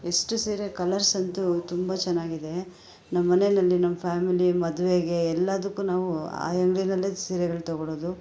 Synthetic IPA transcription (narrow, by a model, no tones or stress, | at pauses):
eʂʈusiːɾekɐlɐɾsɐnt̪ut̪umbɐt͡ʃɛnːaːɡid̪e̞ | nɐmɐːɐnenɐlːinɐmːɐpʰaːmilimɐd̪uʋeɡe̞ːlːɐd̪ɐkːuːnaːʋua̰ːɐŋɡɭinɐlːesiːɾɛɡɐɭt̪ɔɡɔɭoːd̪u